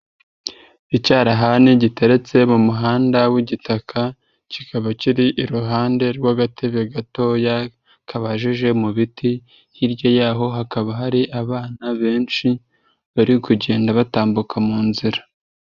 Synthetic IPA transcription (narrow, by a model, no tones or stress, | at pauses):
icaːɾaɦaniɟite̞ɾet͡se̞mumuɦaːndawiɟitakʰa | cikʰaβaciɾiʔiɾuɦaːnde̞ɾɡwaɡatʰe̞βeɡato̞ja | kʰaβaʒiʒe̞muβiti | jiɾjo̞jaːɦo̞ɦakaβaɦaɾiʔaβaːnaβe̞ːnʃi | βaɾikuɟe̞ːndaβataːmbukamuːnziɾa